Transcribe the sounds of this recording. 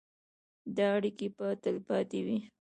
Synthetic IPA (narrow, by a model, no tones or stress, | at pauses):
d̪ɑaɽikepət̪əlpɑt̪ewi